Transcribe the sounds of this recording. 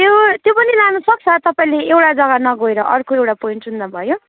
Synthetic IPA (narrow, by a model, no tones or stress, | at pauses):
t̪jot̪jopʌnilanʌsʌk̚t͡sʰʌt̪ʌpaĩleewʈad͡zʌɡanʌɡoeɾʌʔʌrkoewʈapoiɳʈund̪abʱʌjo